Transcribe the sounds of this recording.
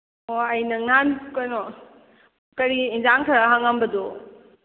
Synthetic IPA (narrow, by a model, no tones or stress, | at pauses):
oɐjnɐŋankojnɔ | kɐɾiinzaŋtʰaɾaɦaŋambɐdo